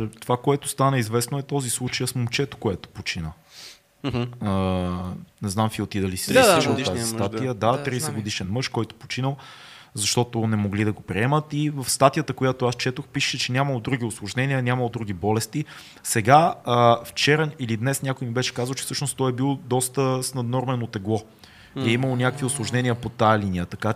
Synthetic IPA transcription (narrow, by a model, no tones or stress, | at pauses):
t̪ovakoɛt̪ʊ̥st̪anəizvɛsnoɛt̪ɔzislˠut͡ʃəjəsmomt͡ʃɛt̪o̥koɛt̪o̥pot͡ʃinə | ə | nɛznamsiot̪id̪ɐlisit̪azist̪at̪ijəd̪at̪ɾiɛsɛɡod̪iʃɛnmɤʃkɔjt̪ʊ̥po̥t͡ʃinəlˠ | zɐʃt̪ɔt̪ʊnɛmoɡlid̪ɐɡopɾiɛmət̪ivəfst̪at̪ijət̪əkojat̪oast͡ʃɛt̪oxpiʃɛ̥ʃɛt͡ʃɛnʲaməlˠod̪ɾuɡ̟iʊslˠoʒnɛniənʲaməlˠod̪ɾuɡ̟ibɔlɛst̪i | sɛɡaəft͡ʃɛɾəilid̪nɛsnʲakojmibɛʃɛ̥kazəlˠt͡ʃɛ̥fsɤʃnost̪ɔɛbilˠd̪ɔst̪əsnɐd̪nɔɾmɛnot̪ɛɡlˠɔ | iɛiməlˠonʲakəkviʊslˠoʒnɛniəpot̪ajɛliniət̪ɐka